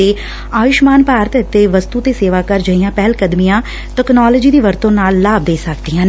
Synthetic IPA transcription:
eː | aːʋɪʃmaːnpaːɾət̪ɪt̪ːeːʋəst̪uːt̪eːseːʋaːkəɾd͡ʒəijãːpɛɦlkəd̪mijãː | ʈəknɔːləːd͡ʒiːd̪iːʋəɾt̪õːnaːlːaːb̚d̪eːsəkd̪iːãːnː

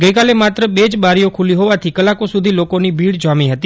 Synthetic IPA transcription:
ɡəjkalemat̪ɾəbed͡ʒbaɾijokʰuliɦoʋat̪ʰikəlakosud̪ʱilokonibʱiɽd͡ʒamiɦət̪i

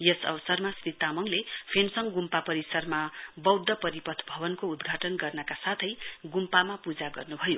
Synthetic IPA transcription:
jʌsʌ̰βʌsʌrmasrit̪amʌŋlepʰensʌŋɡumpapʌɾisʌrmabʌwd̪ʱːʌpʌɾipʌt̪ʰbʱʌβʌnkoud̪ɡʱaʈʌnɡʌrnʌkasat̪ʰʌjɡumpamapud͡zaɡʌ̰rnubʱʌjo

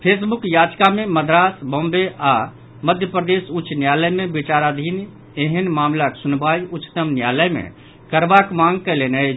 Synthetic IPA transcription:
pʰeːsbʊkjaːd͡ʒkamẽməd̪ɾaːsbõːmbeʔa | məd̪ʱjəpɾəd̪eːsʊt͡ʃnjaːləjmẽbɪt͡ʃaːɾaːd̪ʱiːn | eɦənmaːmlaksʊnbaːiʔʊt͡ʃːt̪əmnjaːləjmḛ̃ | kəɾbakmãːŋɡ̚keleːnə

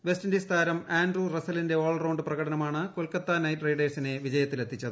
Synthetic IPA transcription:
ʋe̞stɐndist̪ʰaːɾɐmaːndrurɐsɐlinde̞oːɭrɐwɳɖɨprɐɣɐɽʰɐnɐmaːɳɨkolkɐt̪ːanɐjtrejɖɐrsine̞ʋid͡ʑɐjɐt̪ːile̞t̪ʰːit͡ɕːɐðɨ

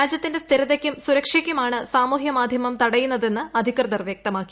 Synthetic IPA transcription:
aːd͡ʑjɐt̪ːinde̞st̪ʰiɾɐðekʲːumsuɾɐkʂikʲːumaːɳɨsaːmuːɦjɐmaːd̪ʱjɐmɐmt̪ɐɽɐjunːɐðe̞nːɨɐd̪ʱikrɨd̪ɐrʋjɐk̚t̪ɐmaːkːi̥

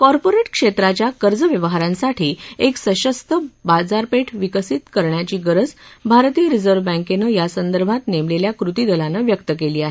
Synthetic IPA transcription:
kɔɾpoɾeʈkʂet̪ɾat͡ɕjakəɾd͡zəʋjəʋɦaɾãnsaʈʰiːeksəɕəst̪əbad͡zaɾpeʈʰʋikəsiːt̪kəɾɳjat͡ɕiːɡəɾəd͡zbʱaɾt̪iːəɾid͡zəɾʋbə̃ŋkenəjasənd̪əɾbʱat̪nemleljakɾut̪iːd̪əlanəʋjəkt̪əkeliːaɦe

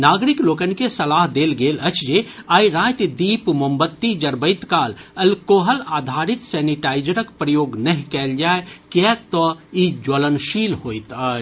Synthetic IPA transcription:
naːɡɾikloːkənkesɐlaːɦd̪eːlɡeːlɐt͡ʃd͡ʒe | aːjɾaːjt̪d̪iːpmɐmbət̪ːid͡ʒɐɾbəjt̪kaːlɐlkoːɦəlaːd̪ʱaːɾit̪sɛːniʈaːjd͡ʒəɾəkpɾəjoːɡnɐɦĩkɛːld͡ʒaːekɛk̚t̪ɔid͡ʒolənʃiːlɦoːjt̪a

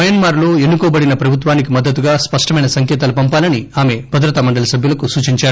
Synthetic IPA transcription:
ɐjɐnmaːɾlo̞ːe̞nːukoːbɐɽinɐpɾɐbʱut̪ʋaːnik̬imɐd̪ːɐt̪uɡaːspɐʂʈɐmɐjnɐsɐŋkɛːt̪aːlupɐmpaːlɐniaːme̞bʱɐd̪ɾɐt̪amɐɳɖɐlɐsɐbʱjulɐkusuːt͡ʃiɲt͡ʃaːɾu

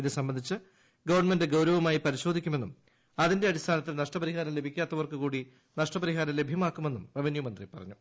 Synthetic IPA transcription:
iðɨsɐmbɐnd̪ʱit͡ɕːɨ | ɡɐʋɐrɳme̞ndeɡɐwɾɐʋɐmaːjipɐɾiɕo̞ːd̪ʱikʲːume̞nːum | ɐðinde̞ɐɾist̪ʰaːnɐt̪ːilnɐʂʈɐpɐɾiɦaːɾɐmle̞bʱikʲːaːt̪ːɐʋɐrkukuːɽi | nɐʂʈɐpɐɾiɦaːɾɐmle̞bʱjɐmaːkːume̞nːumrɐʋinjumɐnd̪rḭpɐrɐ̰ɲːu

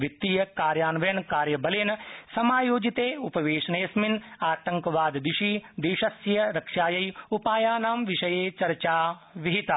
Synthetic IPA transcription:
ʋik̚t̪ːijɐkaːɾjaːnʋjɐnkaːɾjɐbɐleːnɐsɐmaːjoːd͡ʒit̪eːupɐʋeːʃɐnɐjɐsminaːt̪ɐŋkɐʋaːd̪d̪iʃid̪eːʃɐsjɐɾɐkʂaːjɐjupaːjaːnaːmʋiʃɐjeːt͡ʃɐɾt͡ʃaːʋiɦit̪a

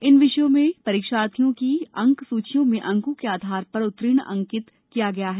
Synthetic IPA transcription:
ɪnʋɪʃjõmẽpɐɾiːkʃaːt̪ʰjõkiɐ̃ŋksuːt͡ʃʰijõmẽʔɐ̃ŋkõkeaːd̪ʱaːɾpɐɾʊt̪ɾɪːɽ̃ɐ̰̃ŋkɪt̪ | kijaɡɐjaɦɛː

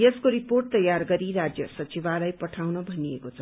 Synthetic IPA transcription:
jeskoɾiporʈ̚t̪ʌjarɡʌɾiɾad͡zjʌsʌt͡sibalajpʌʈʰawnʌbʱʌniekot͡sʰʌ

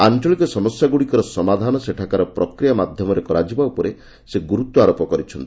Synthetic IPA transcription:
ant͡ʃɔɭikɔsɔmɔsjaɡuɽikɔɾɔsɔmad̪ʱanɔseʈʰakaɾɔpɾɔkɾijamad̪ʱjɔmɔɾekɔɾad͡ʒibaupɔɾe | seɡuɾut̪ːɔaɾopɔkɔɾit͡ʃʰɔnt̪i̥

